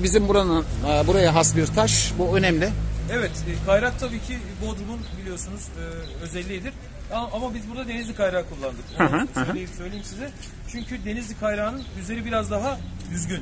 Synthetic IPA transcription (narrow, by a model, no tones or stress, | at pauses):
bizimbuɾanɯbuɾajaɦasbiɾt̪ʰaʃbuønɛmlʲɪevɛt̪ːkʰajɾak̚t̪ʰabiːcʰi | buod̪ɾumunbilʲijo̞sunuzɯːø̞zɛlʲːijːd̪iɾ̥ | aamabizbuɾd̪ad̪e̞nizʲikʰajɾaːkʰulˠːand̪ɯkoɦølʲejimsø̞jlʲejimsizɛ | t͡ʃʰyɲcʰyd̪e̞nizd̪ʲikʰajɾaːnɯnyzlʲe̞ɾibiɾazd̪aɦajyzɟyn